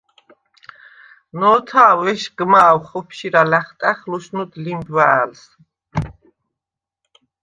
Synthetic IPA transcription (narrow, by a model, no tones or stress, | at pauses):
nɔːt̪ʰawɛʃɡmaːwχɔpʰʃiɾalaχt̪ʼaχluʃnud̪limbwaːls